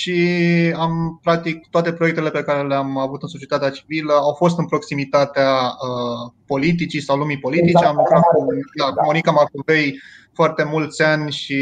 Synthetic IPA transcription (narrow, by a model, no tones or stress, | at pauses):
ʃiampɾak̚t̪ik̚t̪oat̪e̞pɾojekt̪elepe̞kaɾe̞leamavut̪ɨnso̞t͡ʃiet̪at̪eat͡ʃi̥viləawfo̞s̬t̪ɨnpɾo̞ksimit̪at̪eaəpo̞lit̪it͡ʃisawlumipo̞lit̪it͡ʃeamlukɾat̪̚kud̪akumonikamarkove̞j | foart̪e̞mult̪sʲanʲʃi